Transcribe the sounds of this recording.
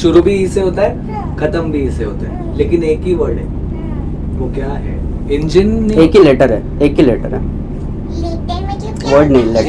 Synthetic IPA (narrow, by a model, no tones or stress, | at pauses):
ʃʊɾubʱiiseɦot̪aɦɛ | kʰɐt̪əmbʱiːseɦot̪aɦɛ | lekineːkiʋəɽɛ̰ː | ʋokjaɦɛ̰ | ɪ̃ɲd͡ʒinːiekileʈəɾɦɛ | ekileʈəɾɦɛ̰ | ʋəɽnɐĩle